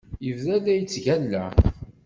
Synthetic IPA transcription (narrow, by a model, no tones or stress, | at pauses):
jəvðælæjət͡sːʝælːæ